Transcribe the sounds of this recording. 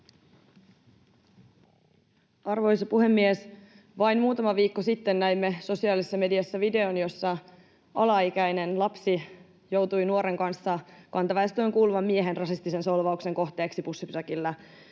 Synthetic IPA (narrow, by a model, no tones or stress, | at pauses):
ɑrʋo̞jsɑpuɦe̞mːies | ʋɑjnmuːt̪ɑmɑʋiːkːosit̪ːe̞nːæimːeso̞siɑːlisːɑme̞diɑsːɑʋide̞onjo̞sːɑ | ɑlɑik̟æjne̞nlɑpsi | jo̞wt̪ujnuo̞ɾe̞ŋkɑnsːɑkɑnt̪ɑʋɑest̪ojŋkuːluʋɑmːieɦe̞nrɑsist̪ise̞nso̞lʋɑukse̞ŋko̞ht̪e̞ːksipusːipy̥t̪ækilːæ